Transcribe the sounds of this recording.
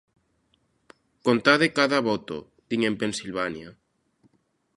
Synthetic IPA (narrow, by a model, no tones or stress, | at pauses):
kont̪aðekaðaβ̞ot̪o̰ | d̪iŋempensilβanja